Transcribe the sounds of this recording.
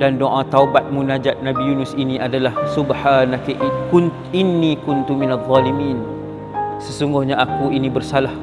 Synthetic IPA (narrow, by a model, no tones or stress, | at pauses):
dandoʔãt̪aubat̪̚mũnad͡ʒat̪̚nabijunʊsiniadalahsubħaːnakkun | inːikʊnt̪uminaðˤːɑlimiːn | səsuŋɡʊhɲaʔakuinĩbərsalah